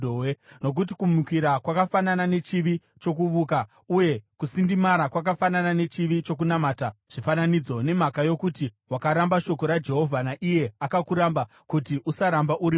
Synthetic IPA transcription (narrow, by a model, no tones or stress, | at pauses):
eno̞k̬ut̬i̥kumukwiɾakwakafananane̞t͡ʃiʋi | t͡ʃo̞kuʋuːka | uje̞kusindimaɾakwak̬afananane̞t͡ʃiʋit͡ʃo̞k̬unamaːtaʐ̥ifananid͡zo̞ne̞makajo̞kuti | wakaɾambaʃo̞ko̞ɾad͡ʒe̞ɦo̞vʱanaʔije̞akakuɾamba | kutiʔusaɾambaʔuɾ